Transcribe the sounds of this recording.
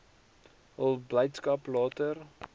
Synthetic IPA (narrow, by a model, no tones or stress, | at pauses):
ɦəlˠbləjtskɐplɑːtər